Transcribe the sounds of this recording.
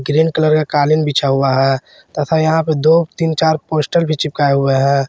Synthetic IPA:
ɡɾeːnkələɾkakaːlɪnbʱit͡ʃʰaɦuaɦɛː | t̪ɐt̪ʰajɐɦãped̪oːt̪iːnt͡ʃaːɾpoːsʈəlbʱit͡ʃɪp̚kaːeɦʊeɦɛ̃ː

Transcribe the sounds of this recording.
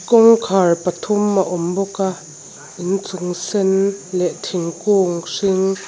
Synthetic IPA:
kɔŋkʰarpɐt̪ʰʊmaʔɔmbɔka | ʔɪnt͡sʊŋsɛnlɛʔt̪ʰɪŋkuŋsɪŋ

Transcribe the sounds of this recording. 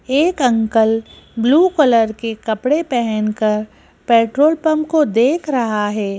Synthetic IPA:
eːkɐ̃ŋkəl | bluːkələɾkekɐpɽepɛɦɛnkəɾ | pɛːʈɾoːlpɐ̃mkod̪eːkʰɾɐɦaɦɛː

